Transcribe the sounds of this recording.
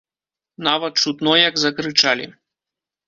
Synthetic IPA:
navɐt̪̚t͡ʂut̪nɔjɐɡzɐkɾɨt͡ʂalʲḭ

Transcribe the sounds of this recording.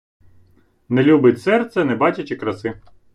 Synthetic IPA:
nelʲubɪtʲsɛrt̪sɛnɛbɑt͡ʃɐt͡ʃɪkɾɐsɪ

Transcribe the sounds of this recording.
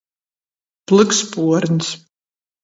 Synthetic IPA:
plˠɨkspuɔɾns

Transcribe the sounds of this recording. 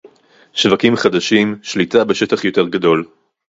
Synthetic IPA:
ʃvakimχad̪aʃimʃlit̪abe̞ʃetaχjo̞te̞ʁɡad̪o̞l

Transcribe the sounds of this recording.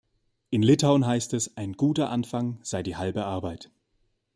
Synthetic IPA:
ʔɪnlɪtʰaʊnɦaɪstɛsʔaɪnɡuːtɐʔanfaŋz̥aɪdiːhalbəʔaɐbaɪt

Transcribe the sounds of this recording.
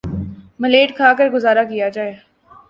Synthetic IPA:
mɐleːʈkʰaːkəɾɡʊzaːɾakijad͡ʒaːeː

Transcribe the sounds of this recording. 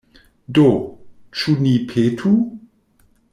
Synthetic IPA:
dot͡ʃunipʰetʰu

